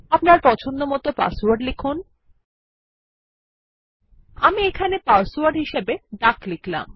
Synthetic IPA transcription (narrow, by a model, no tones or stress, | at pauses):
apnaɾpɔt͡ɕʰond̪omɔt̪opa̰swaɾɖlekʰun | amiekʰanepaswaɾɖɦiʃebeɖaklikla̰m